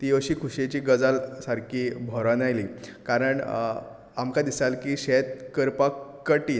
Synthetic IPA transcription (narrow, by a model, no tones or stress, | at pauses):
t̪iəɕiːkʰuɕet͡ɕiːɡəd͡zalsaɾkʰiːbʱɔɾanajliːkaɾəɳ | amkad̪isalkiːɕet̪̚kəɾpakːəʈiː